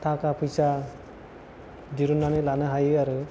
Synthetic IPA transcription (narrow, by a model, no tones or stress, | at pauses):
t̪ʰakapʰɯjsa | d̪iɾunanilanɯɦajɯaɾɯ